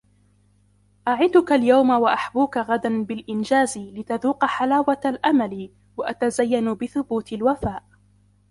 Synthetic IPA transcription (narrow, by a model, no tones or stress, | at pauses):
ʔaʕɪd̪ʊkaljawmawaʔaħbuːkaɣad̪anbɪlʔɪnd͡ʒaːzlɪt̪aðuːqɑħalaːwaalʔamali | waʔat̪azajːanʊbɪθʊbuːt̪ɪlwafaːʔ